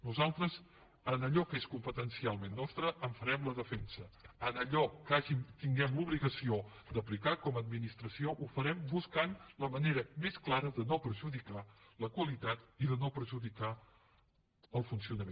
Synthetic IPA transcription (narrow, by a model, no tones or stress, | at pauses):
nuzalˠt̪ɾəz | ənəʎɔkeskumpət̪ənsialˠmenːɔst̪ɾəʔːɱfəɾɛmləðəfɛnsəənəʎɔkaʒimt̪iŋɡɛmluβliɣəsio | d̪əplikakɔməd̪̚minist̪ɾəsioʔufəɾɛmbuskanləməneɾəmesklaɾəðənopɾəʒuðikaləkwəlit̪at̪iðənopɾəʒuðika | əlˠfunsiunəme